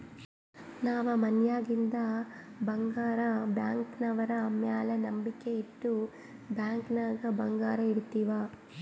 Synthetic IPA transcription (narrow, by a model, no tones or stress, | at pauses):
naːʋɐmɐnjaːɡind̪ɐbɐŋɡaːɾɐbjaːŋknɐʋɐɾɐːmjaːlɐnɐmbikːe̞iʈ̪ːu | bjaːŋknaːɡɐbɐŋɡaːɾɐiɾut̪ːiːʋaː